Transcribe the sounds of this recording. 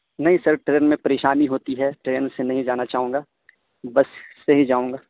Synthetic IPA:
nɐɦĩsɐɾʈɾeːnmẽpɐɾeːʃaːniɦoːt̪iɦɛʈɾeːnsenɐɦĩd͡ʒaːnat͡ʃaːɦũːŋɡaː | bɐsːɐɦid͡ʒaːũːŋɡaː

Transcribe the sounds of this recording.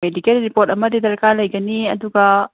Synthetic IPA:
edikelɾipoɾtɐmɐdidɐɾkalɐjɡɐniɐ̰duɡɐ

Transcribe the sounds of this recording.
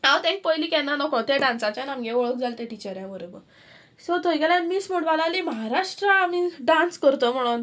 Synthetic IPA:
nawt̪ẽk̚pəjliːkɛ̃nːanɔkõt̪eɖãnsãt͡ɕjanamɡeʋɔɭəkd͡zʱalt̪ẽʈit͡ɕəɾjãmuɾebə | sɔt̪əɡalãmismuɽʋalaliməɦaɾaʂʈɾəamiɖãnskəɾt̪om̤əɽ̃uːn

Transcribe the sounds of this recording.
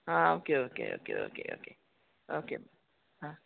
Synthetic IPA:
aokeokḛʔo̰kḛʔo̰kḛʔo̰ke | ʔokeb | a

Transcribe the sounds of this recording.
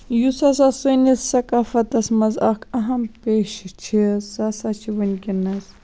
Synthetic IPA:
jusɐs̬asunissɐkaːfɐt̪ɐsmɐzɐkʰɐɦɐmpeːʃt͡ʃʰisɐsat͡ʃʰiʋɐnʲkʲinɐs

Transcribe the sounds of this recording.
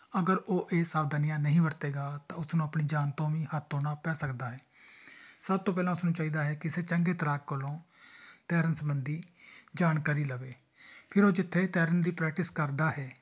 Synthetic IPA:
əɡəɾoːʔeːsaːʋd̪aːnijãːnəɦĩːʋəɾt̪eːɡaːt̪ãːʊsnũːəpɳiːd͡ʒaːnt̪õːʋĩːhət̪ʰoːnaːpɛːsəkd̪aːɦɛː | səb̚t̪õːp̬ɛːlãːʊsnũːt͡ʃaːiːd̪aːɦɛːkɪseːt͡ʃəŋɡeːt̪əɾaːkːəlõː | t̪ɛːɾənsəmbənd̪iːd͡ʒaːɳkaːɾiːləʋeː | pʰɪɾoːd͡ʒɪt̪ʰːeːt̪ɛːɾənd̪iːpɾɛːk̚ʈɪskəɾd̪aːɦɛː

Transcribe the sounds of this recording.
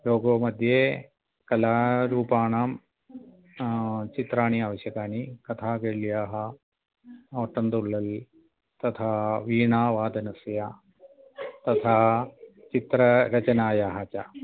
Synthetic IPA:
loːɡoːmɐd̪ʱjeː | kɐlaːɾuːpaːɳaːm | t͡ʃit̪ɾaːɳiaːʋɐɕjɐkaːnikɐt̪ʰaːɡeɭjaːɦɐ̆ | oːʈːɐnd̪uɭːɐl | t̪ɐt̪ʰaːʋiːɳaːʋaːd̪ɐnɐsja | t̪ɐt̪ʰaːt͡ʃit̪ɾɐɾɐt͡ʃɐnaːjaːɦɐt͡ʃɐ

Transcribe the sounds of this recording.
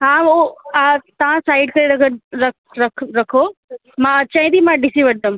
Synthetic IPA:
ɦãoat̪ɐʋ̤ãsaːɪɖkɐɾeɾɐɡəɾɾɐk | ɾɐkʰɾɐkʰo | mãɐt͡ɕãːĩd̪imãɖɪsiʋɐɽd̪əm

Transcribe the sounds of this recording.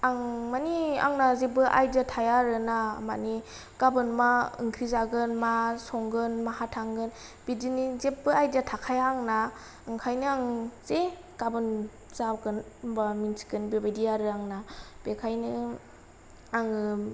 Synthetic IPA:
aŋmania̰ŋnazebɯʔa̰jdatʰajaɾɯnama̰ni | ɡ̥abɯnmaɯ̰ŋkʰɾizaɡɯnmasɔŋɡɯnmahatʰaŋɡɯnb̥idinizep̚bɯajdatʰakʰajaŋna | ɯŋkʰajnɯaŋze | kabɯn | zaɡɯnbaminsi̥kɯnbebajdiaɾɯaŋnab̥ekʰajnɯ | aŋɯ

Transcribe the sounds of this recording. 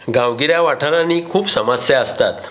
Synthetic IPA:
ɡaʋɡiɾjaʋaʈʰaɾãnːiːkʰuːpsəmasjaəst̪at̪

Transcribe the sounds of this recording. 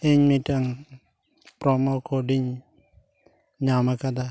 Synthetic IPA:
ɪɲmitaŋ | pɾɔmokodiɲ | ɲamakad̪a

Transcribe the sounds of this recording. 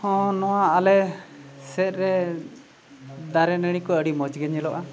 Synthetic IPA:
hɔ̃nɔwaːlɛsɛt̪̚ɾɛ | d̪aɾɛnəɽ̃ikɔəɽimɔd͡ʒɡɛɲɛlɔʔa

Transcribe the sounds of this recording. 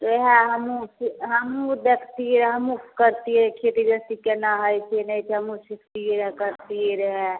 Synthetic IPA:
t̪oɦɛɦəmusɦəmud̪ekʰt̪iɾɦəmupʰkəɾt̪iɾkʰeːt̪id͡ʒəst̪ikenaɦəjt͡ʃʰenɛit͡ʃʰɦəmusikʰt̪iɾkəɾt̪iɾəɦɛ

